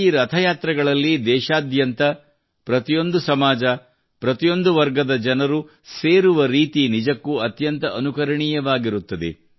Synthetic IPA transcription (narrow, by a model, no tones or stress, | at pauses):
iɾɐt̪ʰɐjaːt̪ɾɐɡɐɭɐlːid̪ɛːʃaːd̪jɐnt̪ɐ | pɾɐt̪ijo̞nd̪usɐmaːd͡ʒɐ | pɾɐt̪ijo̞nd̪uʋɐɾɡɐd̪ɐd͡ʒɐnɐɾu | se̞ːɾuʋɐɾiːt̪inid͡ʒɐkːuɐt̪jɐnt̪ɐʔːnukɐɾɐɳiːjɐʋaːɡiɾut̪ːɐd̪ḛ